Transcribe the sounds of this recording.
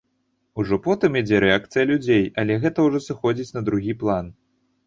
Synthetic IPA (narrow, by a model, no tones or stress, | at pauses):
uʐɔpɔt̪ɨmjad͡zʲɛɾɛak̚t̪sɨjɐlʲud͡zʲejɐlʲɛɣɛt̪ɐwʐɔsɨxɔd͡zʲit͡sʲnɐd̪ɾuɣʲiplˠan